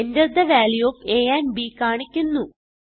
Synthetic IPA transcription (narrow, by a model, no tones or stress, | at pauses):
endɐrd̪ɐʋaːljoːfeːjaːnbikaːɳikʲːunːu